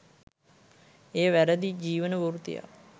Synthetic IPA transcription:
eːʋæɾəd̪id͡ʒiːʋənəʋuɾt̪ḭja̰

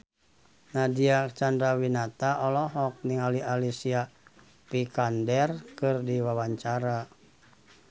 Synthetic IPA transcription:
nadiat͡ʃandɾawinat̪aʔɔlɔɦɔk̚niŋaliʔalisia | pikandɛrkɨrdiwawaɲt͡ʃaɾa

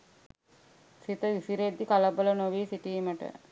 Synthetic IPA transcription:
sit̪əʋisiɾed̪ikaləbələnoʋiːsiʈiːməʈə̰

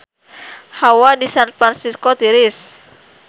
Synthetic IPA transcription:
hawadisanfɾansiskot̪iɾɪs

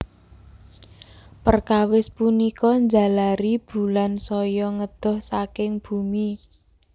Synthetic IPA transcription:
pərkawɪspunikɔɲd͡ʒa̤laɾib̥ṳlansɔjɔŋəd̪̥ɔ̤hsakɪŋb̥ṳmi

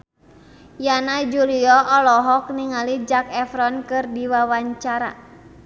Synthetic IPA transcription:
janad͡ʒuliɔʔɔlɔɦɔk̚niŋalid͡ʒakɛfɾɔnkɨrdiwawaɲt͡ʃaɾa̰

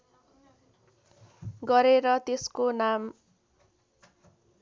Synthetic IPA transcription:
ɡʌɾeɾʌt̪eskonam

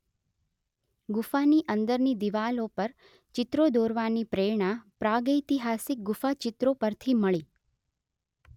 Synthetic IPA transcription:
ɡʊfaniʔə̃nd̪əɾnid̪iʋalopəɾ | t͡ʃɪt̪ɾod̪oɾʋanipɾeɾɳapɾaɡəjt̪iɦasɪk̚ɡʊfat͡ʃɪt̪ɾopəɾt̪ʰiməɭi

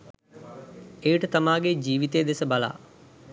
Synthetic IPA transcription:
ejʈət̪amaːɡed͡ʒiːʋit̪ejːd̪esəbala̰ː

